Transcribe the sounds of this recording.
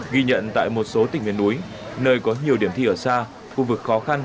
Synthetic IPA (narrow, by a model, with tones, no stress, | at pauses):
ɣi˧ɲə̰˧˨nt̪a̰ː˧˨jmo˨˩t̚so˨˦t̪ï˨˩ŋ̟hḭ˧˩ənʔu˨˦j | nəː˧jkɔ˨˦ɲi˨˩əwɗi˧˩əmt̪ʰi˧ʔəː˧˩saː˧ | xu˧vɨ˨˩k̚xɔ˨˦xa˧n